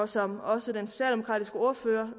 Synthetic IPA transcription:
sɒ̽mɒ̽sədenso̝ɕɛ̰ːld̥emo̝kʰʁɑ̰ːdisɡ̥əo̝ːɐføːɐ

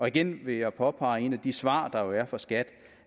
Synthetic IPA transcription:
ɒ̽iɡ̥enʋe̝jɑ̈ɪpʰɒ̽pʰɑ̈ɪe̝̰ːnæd̥isʋɑ̰̈ːd̥ɑ̈jo̝æɐfɒ̽sɡ̥æd̥

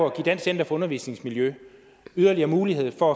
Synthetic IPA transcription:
ɒɡ̥id̥æn̰sen̰d̥ɐfɒ̽ɔ̽nɐʋḭːsne̝ŋsmiljø | yð̞ˠɐliɐːmuːlihe̝ð̞̰ˠfɒ̽æ

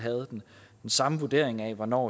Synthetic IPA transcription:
ɦæð̩ˠd̥end̥ensɑ̈məʋu̝d̥e̝ɐ̰e̝ŋæʋɒnɒ̰ː

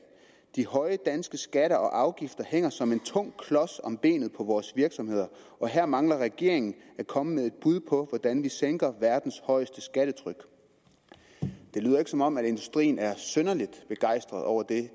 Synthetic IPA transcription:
d̥ihɒ̽ɪəd̥ænsɡ̥əsɡ̥æɾɐʔɒ̽ʔɑ̈ʊɡ̥ifd̥ɐheŋ̰ɐsɒ̽me̝nt͡sʰɔ̽ŋ̰kʰlɒ̽sɒ̽mb̥e̝̰ːnð̩ˠpʰɒ̽ʋɒːsʋiɐɡ̥sɒ̽mhe̝ð̞̰ˠɐ | ɒ̽ɦæɐ̰mɑ̈ŋlɐʁɛɡ̥e̝ɐeŋn̩ækʰɒ̽məmeðˠe̝d̥̚b̥uð̞ˠpʰɒ̽ʋɒd̥ænʋiseŋɡ̥ɐʋæɐd̥n̩shɒ̽ɪəsd̥əsɡ̥æɾ̥ət͡sʰʁœɡ̥ | d̥e̝lyːð̰ˠɐe̝ɡ̥əsɒ̽mɒ̽m̰æɾ̥e̝nd̥usd̥ʁḭːnæɐsønɐlid̥b̥e̝ɡ̥ɑ̈ɪ̰sd̥ʁɐðˠɒʊɐd̥e̝

